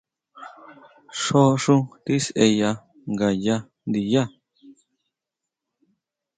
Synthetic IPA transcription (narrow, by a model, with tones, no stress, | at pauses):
ʂo˦ʂũ˦t̪i˦se˧ja˧ | ŋɡa˨ja˧ | nd̪i˨ja˦